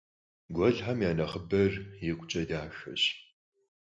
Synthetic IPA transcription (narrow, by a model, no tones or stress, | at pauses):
ɡʷɔɮħamjaːnɐχəbɐrjɪkʷʼʊt͡ʃʼɐdaːʃʷɐ̰ɕ